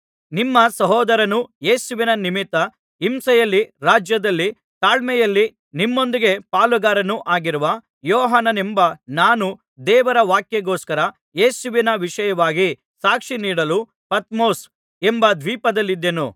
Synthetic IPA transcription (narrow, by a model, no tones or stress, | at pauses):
nimːɐsɐɦɔːd̪ɐɾɐnuje̞ːsuʋinɐnimit̪ːɐ | imsɛjɐlːiɾaːd͡ʒjɐd̪ɐlːi | t̪aːɭmɛjɐlːi | nimːo̞nd̪iɡe̞paːluɡaːɾɐnuʔaːɡiɾuʋɐ | jɔːɦaːnɐnembɐnaːnu | d̪ɛːʋɐɾɐʋaːkjeɡoːskɐɾɐ | jeːsuʋinɐʋiʂɐjɐʋaːɡi | saːkʂiniːɽɐlu | pɐt̪mo̞ːs | embɐd̪ʋiːpɐd̪ɐlːid̪ːenṵ